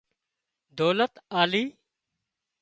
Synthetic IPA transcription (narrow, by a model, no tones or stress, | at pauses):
d̪oːlət̪aːliː